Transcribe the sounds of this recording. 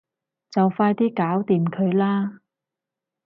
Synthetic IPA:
t͡sɐ˨wfaː˧jt̪iː˥kaː˨˥wt̪iː˨mkʰɵ˨˧ɥlaː˥

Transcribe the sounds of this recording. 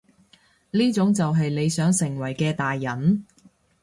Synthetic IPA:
liː˥t͡sʊ˨˥ŋt͡sɐ˨wɦɐ˨jle˨˧jsœː˨˥ŋsɪ˨˩ŋwɐ˨˩jkɛː˧t̪aː˨jːɐ˨˩n

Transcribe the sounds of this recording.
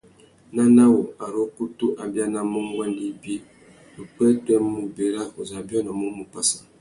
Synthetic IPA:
na˦na˦wo˨a˨ɾo˦ku˦tu˦ʔa˨bja˦na˨mo˦ŋ˦ɡwa˦ndi˦bi˦ | lo˨k͡pɛ˦tɛ˦m˦mu˨be˨ɾa˦o˨za˨bjɔ˦na˨mu˦mu˨pa˦sḁ˨

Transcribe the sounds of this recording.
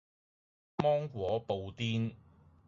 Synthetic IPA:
mɔː˥ŋkʷwɔː˨˥po˨wt̪iː˥n

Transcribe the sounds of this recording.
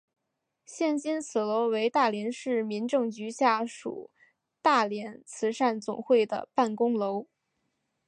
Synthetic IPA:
ɕjɛ˥˩nɕi˥nt͡sʰɹ̩˨˩lo˧˥ʊwe˧˥ɪt̪a˥˩ljɛ˧˥nʂɻ̩˥˩mi˧˥nʈ͡ʂɤ˥˩ŋt͡ɕy˧˥ɕja˥˩ʂṵ˨˩˦ | t̪a˥˩ljɛ˧˥nt͡sʰɹ̩˧˥ʂa˥˩nt͡sʊ̰˨˩ŋxwe˥˩ɪd̪ə̰˩pa˥˩nkʊ˥ŋlo˧˥ʊ

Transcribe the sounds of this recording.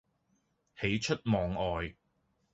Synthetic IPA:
he˨˥jt͡ʃʰɵ˥t̚mɔː˨˩ŋɔː˨j

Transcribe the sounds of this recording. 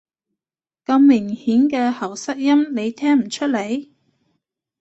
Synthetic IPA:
kɐ˧mːɪ˨˩ŋhiː˨˥nkɛː˧hɐ˨˩wsɐ˥k̚jɐ˥mne˨˧jt̪ʰɛː˥ŋm̩˨˩t͡ʃʰɵ˥t̚le˨˧j

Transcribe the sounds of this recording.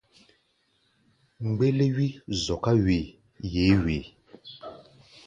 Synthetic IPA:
ŋ͡m̩˨ɡ͡be˦le˦ɥi˦zɔ˨ka˦we˨ | je˨˦weː˨

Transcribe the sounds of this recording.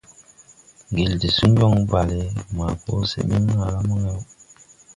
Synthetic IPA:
ŋɡi˨ldi˨su˦ɲ˦d͡ʒɔ˦ŋ˦ba˨le˨˦ma˨ko˦sḛ˨mi˦ŋ˦ŋa˦˨la˦mu˦ŋɛ˦w

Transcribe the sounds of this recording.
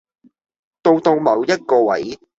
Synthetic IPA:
t̪o˧wt̪o˧wmɐ˨˧wjɐ˥t̚kɔː˧wɐ̰˨˥j

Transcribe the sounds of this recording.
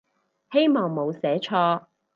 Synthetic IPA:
he˥jmɔː˨ŋmo˨˧wsɛː˨˥t͡ʃʰɔː˧˥

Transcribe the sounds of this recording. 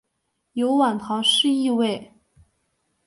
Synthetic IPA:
jo˧˥ʊwa˨˩nt̪ʰɑ˧˥ʊʂɻ̩˥˧i˥˧we˥˩ɪ

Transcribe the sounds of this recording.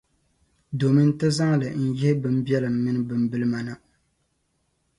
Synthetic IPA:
do˨mɨ˦n̩˦tɨ˦za˦ŋ˦lɨ˨n̩˦jɪ˦hɪ˦bɨ˦m˦bjɛ˦lɨ˨mːɨ˦nɨ˦bɨ˨mbɨ˦lɨ˦ma˨nɨ˨

